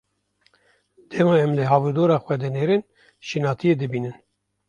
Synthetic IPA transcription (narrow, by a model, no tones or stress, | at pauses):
d̪̥ɛmɑɛmlɨɦɑːvud̪oːɾɑːxʷwɛd̪ɛneɾen | ʃinɑːt̪ʰijed̪ɨbiːnɨn